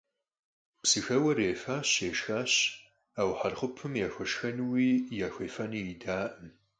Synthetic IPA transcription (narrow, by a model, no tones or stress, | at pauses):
psɨxɐwɐreːfaːɕeːʂxaːɕ | aːwħarχʷʊpʰɨmjaːxʷɐʂxɐnwiːjaːxʷeːfɐniidaːʔɨm